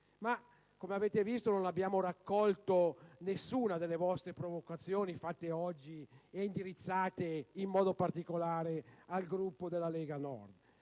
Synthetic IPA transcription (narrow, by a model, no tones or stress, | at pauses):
ma | komeaveːt̪evist̪ononabːjaːmorakːɔlt̪onesːuːnad̪elːevɔst̪ɾepɾovokat̪sːjoːnifat̪ːeɔd͡ʒːiɛind̪iɾit̪sːaːt̪eimːɔːd̪opart̪ikolaːɾealɡɾupːod̪elːalɛːɡanɔ̰rd̪